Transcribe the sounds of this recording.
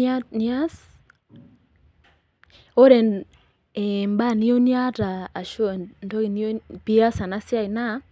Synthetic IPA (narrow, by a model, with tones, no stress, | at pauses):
na˦s | o˦ɾe˨ | e˨mba˦˨ni˦o˦nja˦taː˨ʃo˦˨nto˦ki˨n˦o˦pi˦a˦sa˨na˦sa˦ɪ˨na˦